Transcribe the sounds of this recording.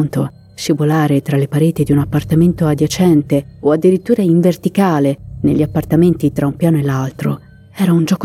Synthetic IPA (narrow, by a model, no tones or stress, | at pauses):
nt̪o | ʃivolaːɾet̪ɾalepaɾeːt̪id̪iunapːart̪ament̪oad̪jat͡ʃɛnt̪eoad̪ːiɾit̪ːuːɾaiɱvert̪ikaːlenḛʎːiapːart̪ament̪it̪ɾaumpjaːnoelːalt̪ɾo̰ | ɛːɾaund͡ʒɔːk